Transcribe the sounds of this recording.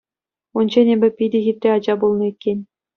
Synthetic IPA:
und͡ʑenʲebʲɘ̆pʲidʲɘ̆ɣʲit̪ʲrʲeɑd͡ʑɑbulˠnɤ̆ikʲːenʲ

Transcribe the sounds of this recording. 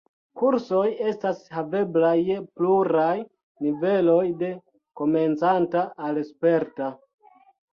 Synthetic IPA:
kuɾso̞je̞stashave̞blajpluɾaj | nive̞lo̞jde̞ | ko̞me̞nt͡santaːlespeɾta

